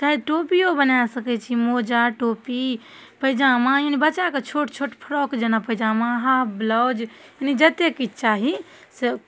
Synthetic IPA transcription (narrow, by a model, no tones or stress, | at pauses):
t͡ʃaiʈopiobənasəkɛt͡ʃʰimod͡ʒaʈopi | pəɪd͡ʒamãjinibətːt͡ʃʃaket͡ʃʰoʈt͡ʃʰoʈpʰəɾɔkd͡ʒənapəjd͡ʒamãɦablɔd͡ʒinid͡ʒət̪ekit͡ʃaɦi | se